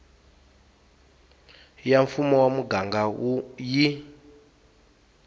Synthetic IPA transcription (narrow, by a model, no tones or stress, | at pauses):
jaɱfumɔwamuɡaŋɡauji